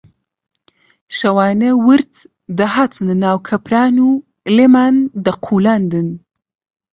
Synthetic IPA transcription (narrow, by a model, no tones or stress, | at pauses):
ʃɐwaːnɐwɨɾt̪ | d̪ɐɦaːt̪ʰɨnnaːwkʰɐpʰɾaːnuː | leːmaːnd̪ɐqʰuːlaːnd̪ɨn